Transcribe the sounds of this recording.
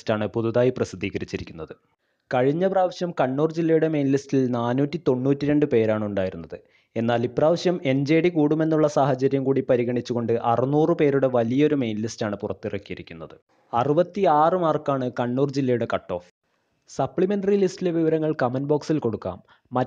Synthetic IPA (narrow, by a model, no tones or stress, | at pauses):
staːɳɨpuðuðaːjiprɐsid̪ʱːiːɣɐɾit͡ɕːiɾikʲːunːɐðɨ | kɐɻiɲːɐpraːʋɐɕjɐmkɐɳːuːrd͡ʑilːɐjuɽe̞me̞jnlistilnaːnuːtːit̪o̞ɳːuːtːiɾe̞ɳɖɨpe̞ːɾaːɳuɳɖaːjiɾunːɐðɨ | e̞nːaːlipːraːʋɐɕjɐme̞nd͡ʑeːɽikuːɽume̞nːuɭːɐsaːhɐt͡ɕɐɾjɐmkuːɽipɐɾiɣɐɳit͡ɕːuɣo̞ɳɖɨʔɐrɨnuːrɨpe̞ːɾuɽe̞ʋɐlijɐo̞ɾume̞jnlistaːɳɨpurɐt̪ːirɐkːijɐɾikʲːunːɐðɨ | ɐrɨbɐt̪ːiaːrɨmaːrkːaːɳɨkɐɳːuːrd͡ʑilːɐjuɽe̞kɐʈːo̞ːf | sɐpɭimenɖɐrilistːileʋiʋɐɾɐŋːɐɭkɐmɐnbo̞ːksilko̞ɽukːa̰ːmː | ɐ